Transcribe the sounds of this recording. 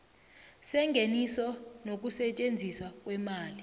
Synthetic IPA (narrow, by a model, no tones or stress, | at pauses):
sɛŋɡʱenisɔnok̬usɛt͡ʃʼend͡zʱisak̬ʼwɛmaːli